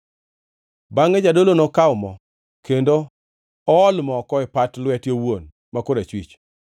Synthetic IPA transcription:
baŋed͡ʒadolonɔkaʊmɔ | kʰendo | ɔɔlmɔkɔɪpatlwɛtjowon | makʊɾet͡ʃwḭt͡ʃ

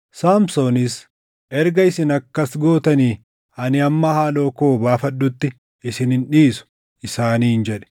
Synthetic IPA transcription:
saːmsoːnɪs | ʔɛɾɡɐɪsɪnɐkːɐsɡo̞ːt̪ɐniː | ɐnɪɐmːɐhaːlo̞ːkoːbaːfɐɗːʊt̪ːɪ | ɪsɪnɪnᶑiːsʊ̥ | ɪsaːniːhɪnd͡ʒɛᶑɛ̥

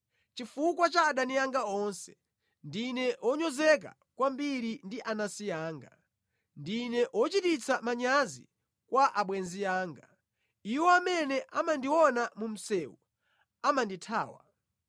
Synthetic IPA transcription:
t͡ʃifukwat͡ʃaːɗanijaŋɡaɔnsɛ̥ | ndinɛɔɲɔzɛk̬a̰ | kwambiɾindiʔanasijaːŋɡa | ndinɛʔwɔt͡ʃitit͡sʰamaɲazḭ | kwaʔaɓwɛnzijaːŋɡa | iwɔamɛnɛʔamandiwɔnamum̩sɛːwu | amanditʰa̰ːwa̰

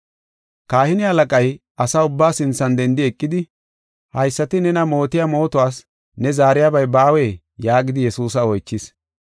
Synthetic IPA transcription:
kaːhɪnɪɐlɐkʼɐjʔɐsɐʊbːaːsɪnt͡sːɐnd̪ɛnd̪ɪɛkʼːɪd̪ɪ | hɐjsːɐt̪ɪnɛnɐmo̞ːt̪ɪjamo̞ːt̪ʊwaːs | nɛzaːɾɪjabɐjbaːweː | jaːɡɪd̪ɪjɛsuːs̬ɐɔjt͡ʃːɪs

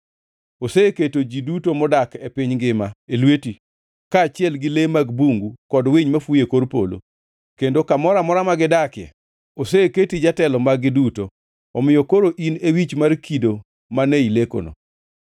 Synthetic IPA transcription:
oseketod͡ʒidutomɔdakepɪɲɡɪmaelweti | kaːt͡ʃɪɛlɡɪlemaɡbuŋɡukɔdwɪɲmafujekoɾpo̰lo̰ | kendokamɔɾamɔɾamaɡɪdakjɛ̰ | oseketid͡ʒatɛlɔmaɡɪduto | ɔmɪjɔkoɾoʔinewit͡ʃmarkido | maneileko̰no̰

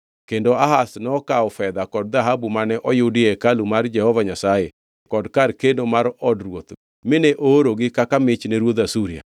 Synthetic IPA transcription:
kendoaɦasnɔkaɔfɛðakɔdðaɦabumanɛʔɔjudɪɛkalumaɾd͡ʒɛhɔvaɲasaje | kɔdkaɾkendomaɾɔdɾwot̪ | mɪneʔoɾoɡɪkakamɪt͡ʃneɾwot̪asuɾia̰

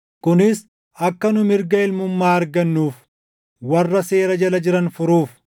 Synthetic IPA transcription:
kʊnɪs | ɐkːɐnʊmɪɾɡɐɪlmʊmːaːɐɾɡɐnːuːf | wɐrːɐse̞ːɾɐd͡ʒɐlɐd͡ʒɪɾɐnfʊɾuːf

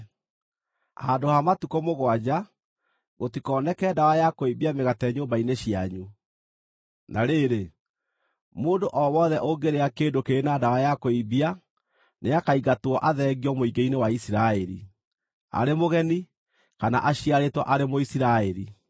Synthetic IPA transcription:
adohamatukomoɣwad͡ʑa | ɣotikɔːnɛkɛːdawajakoibiameɣatɛɲoːmbaineɕiaɲu | naɾeɾe | moːndoʔɔwɔðɛʔoɡeɾeakeːndokeɾenadawajakoibia | neakaiɣatwɔʔaðɛːɣiɔmoiɡeinewaisiɾaɛɾḭ | a̰ɾemoɣɛni | kana̰ʔaɕiaɾetwɔʔaɾemoisiɾaɛɾḭ

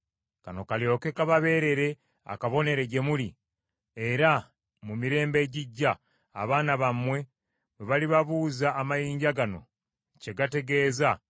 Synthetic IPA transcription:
kano̞kaljo̞ːke̞kaβaβe̞ːɾe̞ɾe̞ | a̰kaβo̞ne̞ɾe̞ɟe̞muli | e̞ɾa | mumiɾe̞ːmbe̞ɟiɟːa̰ː | βaːnaβamwe̞ | weβaliβaβuːzaːmajiːɲɟaɡano̞̰ | ce̞ɡate̞ɡe̞ːza

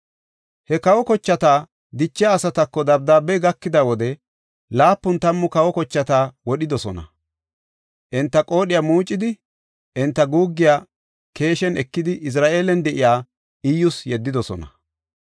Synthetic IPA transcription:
hɛkɐwɔkɔt͡ʃːɐt̪aː | d̪ɪt͡ʃːɪjaːsɐt̪ɐkːɔd̪ɐbd̪aːbɛjɡɐkːɪd̪ɐwɔd̪ɛ | laːpːʊnt̪ɐmːʊkɐwɔkɔt͡ʃːɐt̪aːwɔɗɪd̪ɔsɔnɐ̰ | ʔɛnt̪ːɐkʼo̞ːɗɪjaːmuːt͡ʃʼːɪd̪ɪ | ʔɛnt̪ːɐɡuːɡːɪjaː | ke̞ːʃɛnɛkːɪd̪ɪʔɪs̬ɾaːʔe̞ːlɛnd̪ɛʔɪjaː | ɪjːʊsjɛd̪ːɪd̪ɔsɔ̰nɐ̰

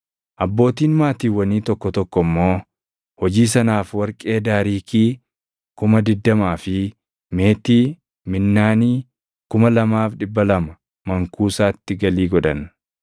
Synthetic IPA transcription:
ʔɐbːo̞ːt̪iːnmaːt̪iːwːɐniːt̪ɔkːɔt̪ɔkːɔmːo̞ː | hɔd͡ʒiːs̬ɐnaːfwɐɾkʼe̞ːd̪aːɾiːkiː | kʊmɐd̪ɪd̪ːɐmaːfɪ | me̞ːt̪iː | mɪnːaːniː | kʊmɐlɐmaːfᶑɪbːɐlɐmɐ | mɐŋkuːsaːt̪ːɪɡɐliːɡɔᶑɐn

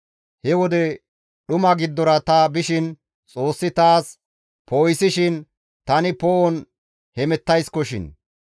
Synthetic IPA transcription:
hɛwɔd̪ɛ | ɗʊmɐɡɪd̪ːɔɾɐt̪ɐbɪʃɪn | t͡sʼo̞ːsːɪt̪aːs | poːjsɪʃɪn | t̪ɐnɪpɔʔɔn | hɛmɛt̪ːɐjskɔʃɪ̰n

